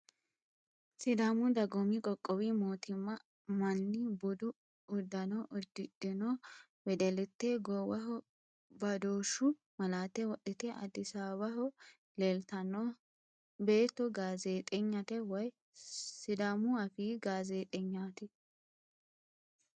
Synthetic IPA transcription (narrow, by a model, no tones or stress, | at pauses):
sɪd̪aːmʊd̪ɐɡɔmikʼɔkʼːɔwiːmoːt̪ɪmːɐ | mɐnːɪbʊd̪ʊ | ʊd̪ːɐnɔːʔʊd̪ːɪᶑɪnoː | wɛd̪ɛlɪt̪ːeːɡɔwɐɦɔ | bɐd̪oːʃːʊ | mɐlaːt̪ːɛwɔɗɪt̪ɛʔɐ̰d̪ɪsaːbɐɦɔ | lelt̪ɐnoː | be̞ːt̪ːɔɡaːzeːt̪ʼɛɲːɐt̪ɛwɐj | sɪd̪aːmʊɐfiːɡaːzeːt̪ʼɛɲːaːt̪ɪ